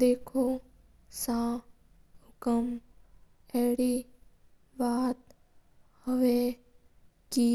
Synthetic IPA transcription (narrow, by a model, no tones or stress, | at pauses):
d̪eːkʰoː | sãː | hʊkəm | ɛːɽi | baːt̪ | həʋeː | d͡ʒiː